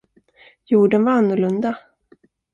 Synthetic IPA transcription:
juːɖənvaɾanːʊɭɵnd̪a

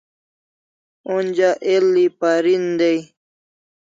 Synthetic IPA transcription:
und͡ʑaʔelːipaɾind̪ej

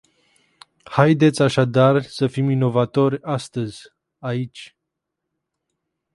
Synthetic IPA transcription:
hajd̪e̞t̪sʲaʃad̪arsəfimino̞vat̪o̞rʲast̪əzʲ | ait͡ʃʲ

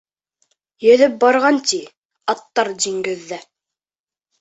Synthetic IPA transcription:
jɵ̆ðɘp̚bɑɾʁɑnt̪i | ɑt̪ːɑɾd̪iŋɡɘ̆ðːæ

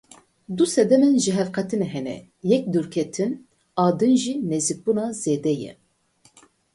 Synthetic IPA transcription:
d̪usɛd̪ɛmɛnʒɨɦɛvqʰɛt̪ʰɨnɛɦɛnɛ̰ | jɛk̚d̪uɾkʰɛt̪ʰɨn | ɑːd̪ɨnʒinɛzik̚bunɑzeːd̪ɛjɛ̰

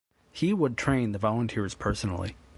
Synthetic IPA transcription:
hiwəd̚tʰɹ̥ẽɪ̃nðəvɑlˠə̃ntʰɪɹz̥pʰɜ˞snl̩ˠḭ

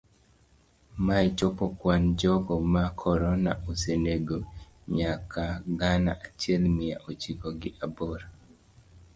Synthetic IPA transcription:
mait͡ʃopɔkwand͡ʒɔɡɔmakʰɔɾɔnaʔoseneɡo | ɲakaɡana̰ʔat͡ʃɪɛlmɪja̰ʔot͡ʃiɡɔɡɪʔabɔɾa

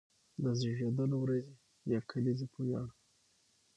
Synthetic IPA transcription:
d̪əziʒod̪əlawɾaze | jɑkʰalizepʰujɑ̰ɽ

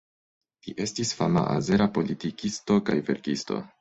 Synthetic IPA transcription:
liʔe̞stisfama̰ʔa̰ze̞ɾapo̞litikisto̞kajve̞ɾkisto̞̰

